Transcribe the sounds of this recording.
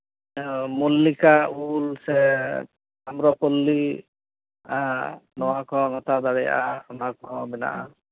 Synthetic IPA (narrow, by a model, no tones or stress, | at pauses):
molːikaulsɛ | amɾɔpolːi | anɔwakɔnɔt̪ad̪aɽɛjʔaɔmakɔbɛna̰ʔa